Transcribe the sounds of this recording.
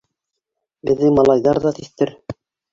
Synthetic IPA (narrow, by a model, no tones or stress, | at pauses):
bɘ̆ðːɘmɑlˠɑjðɑɾðɑt̪iθt̪ɘɾ